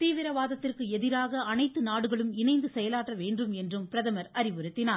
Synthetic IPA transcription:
t̪iːʋɪɾɐʋaːðɐt̪ːɪrkɯɛðɪɾaːɣɐːnɐɪt̪ːɯnaːɽɯɣɐɭɯmɪnɐɪnd̪ɯsɛjɐlaːʈrɐʋeːndrɯmɛndrɯmpɪɾɐðɐmɐɾɐɾɪʋɯɾɯt̪ːɪnaː

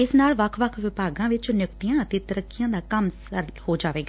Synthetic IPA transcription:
ɪsnaːlʋəkʰʋəkʰʋɪpaːɡãːʋɪt͡ʃnʊkt̪ɪjãːət̪eːt̪əɾəkːɪjãːd̪aːkəmsəɾhoːd͡ʒaːʋeːɡaː

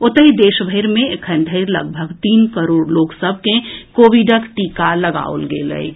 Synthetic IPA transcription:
ʊt̪əɦid̪eːʃbʱəɪɾmẽekʰənd̪ʱəɪɾlə̰ɡ̚bʱəɡt̪iːnkəɾoːɾloːksəbʱkekoːʋiɖəkʈiːkaləɡa̰o̰lɡḛːlə̰j

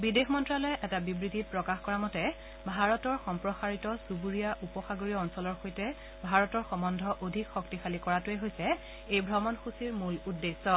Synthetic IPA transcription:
bidexmɔntɹalɔjʔɛtabibɹidʱit̚pɹɔkaxkɔɹamɔtɛ | bʱaɹɔtɔɹxɔmpɹɔxaɹitɔsubuɹijaʔupɔxaɡoɹiɔɔnsɔlɔɹxojtɛ | bʱaɹɔtɔɹxɔmɔndʱɔʔodʱikxɔktixalikɔɹatʊɛɦojsɛ | ejbʱɹɔmɔnxusiɹmuludːesːɔ

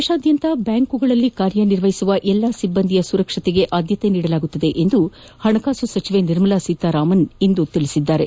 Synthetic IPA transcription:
eʃaːd̪jɐnt̪ɐbjaːŋkuɡɐɭɐlːikaːɾjɐniɾʋɐɦisuʋɐʔɛlːaːsibːɐnd̪ʱijɐsuɾɐkʂɐt̪eɡe̞ʔaːd̪jɐt̪e̞niːɽɐlaːɡut̪ːɐd̪e̞ʔend̪u | hɐɳɐkaːsusɐt͡ʃiʋe̞niɾmɐlasiːt̪aɾaːmɐnind̪ut̪iɭisid̪ːaːɾe

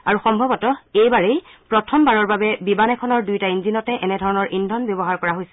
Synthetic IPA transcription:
aɹuxɔmbʱɔbɔtɔejbaɹejpɹɔtʰɔmbaɹɔɹbabɛbibanɛkʰɔnɔɹdujtainzinɔtɛʔɛnɛdʱɔɹɔnɔɹʔindʱɔnbjɔbɔɦaɹkɔɹaɦojsɛ̥

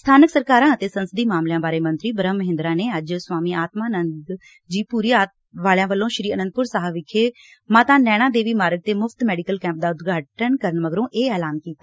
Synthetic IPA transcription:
st̪ʰaːnəksəɾkaːɾãːət̪eːsənsəd̪iːmaːmljãːbaːɾeːmənt̪ɾiːbəɾəmːəɦɪ̃nd̪ɾãːneːəd͡ʒswaːmiːaːt̪maːənənd̪ | d͡ʒiːpuːɾiːaːt̪ | ʋaːljãːʋəlːõːʃɾiːənə̃nd̪̚pʊɾsaːɦəʋɪkʰːeː | maːt̪ãːnɛːɽ̃ãːd̪eːʋiːmaːɾəɡ̚t̪eːmʊfʰt̪mɛːɖikəlkɛ̃ːmp̚d̪aːʊd̪ɡaːʈənkəɾəɳməɡɾõːʔeːɛːlaːnkiːt̪aː

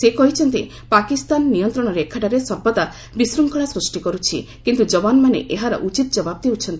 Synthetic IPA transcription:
sekɔɦit͡ʃʰɔnt̪i | pakist̪anːijɔnt̪ɾɔɽ̃ɔɾeekʰːaʈaɾesɔɾbɔt̪a | bisɾuŋkɔɽ̃asɾusʈikɔɾut͡ʃʰḭ | kint̪ud͡ʒɔbanmanḛʔeɦaɾɔ̰ʔut͡ʃit̪ɔd͡ʒɔbab̚d̪eɦut͡ʃʰɔnt̪i

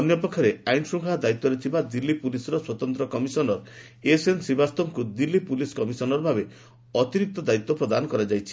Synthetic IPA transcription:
ɔnjɔpɔkʰːɔɾeajnsuŋkʰad̪ait̪ːɔɾet̪ʰibad̪ilːipulisɔɾɔswɔt̪ɔnt̪ɾɔkɔmisɔnɔɾ | esensibast̪ɔmkud̪ilːipuliskɔmisɔnɔɾbʱabe | ɔt̪iɾik̚t̪ɔd̪ait̪ːɔpɾɔd̪anɔkɔɾad͡ʒajt͡ʃʰi̥

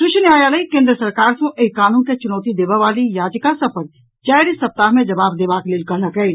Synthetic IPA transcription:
ʃʊʃnjaːjaləikẽːnd̪ɾəsɐɾkaːɾsõʔeikaːnũːnket͡ʃʊnɔːt̪id̪eːʋaʋaːlijaːd͡ʒkasɐpəɾ | t͡ʃaːjɾisːɐp̚t̪aːɦmẽd͡ʒɐbaːbd̪eːʋaːkleːlkɐlakɛi

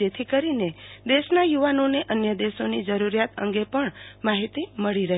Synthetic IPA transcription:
et̪ʰikəɾined̪eʃnajuʋanoneʔənjəd̪eʃonid͡ʒəɾuɾjat̪ə̰̃ŋɡepəɳmaɦit̪iməɭiɾəɦ

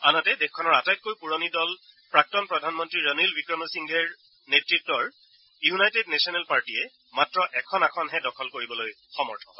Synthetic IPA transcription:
anɔtɛdɛxkʰːɔnɔɹatajt̚kojpuɹonidɔl | pɹak̚tɔnpɹɔdʱanmɔntɹiɹənilwikɹɔmɔsiŋɡʱɛɹ | netɹitːɔɹ | junajtednɛsiɔnɛlpaɹtiɛ | matɹɔʔɛkʰɔnakʰɔnɦɛdɔkʰɔlkoɹibɔloj | xɔmɔ̰ɹtʰɔɦɔ

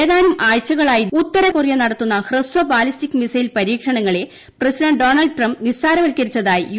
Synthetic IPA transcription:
eːðaːnumʔaːɻt͡ɕːɐɣɐɭaːjiut̪ːɐɾɐkurjɐnɐɽɐt̪ːunːɐhrɨswɐbaːlistikːmisɐjilpɐɾiːkʂɐɳɐŋːɐɭe | prɐsiɖɐɳɖɖoːnɐlɖʈrɐmbnisaːɾɐʋɐlkɐɾit͡ɕːɐðaːjḭ

